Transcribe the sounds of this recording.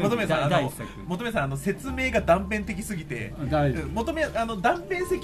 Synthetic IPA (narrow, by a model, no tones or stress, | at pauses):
mot̪omesãanoisakmot̪omes̬ãanose̞t͡sɨme̞ːɡad̪ãmpẽ̞nt̪e̞k̬ʲi̥sɨɡʲit̪e̞̰ɯ̃mo̞t̪omeano̞d̪ãmpẽɰ̃sekʲ